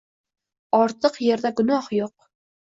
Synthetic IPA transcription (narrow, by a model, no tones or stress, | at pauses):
ɒɾt̪ʰɨqje̞ɾd̪aɡʊnɒhjoq